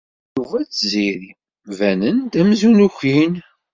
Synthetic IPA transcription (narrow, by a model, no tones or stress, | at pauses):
juvæt͡sːziɾi | vænənd̪æmzunuçin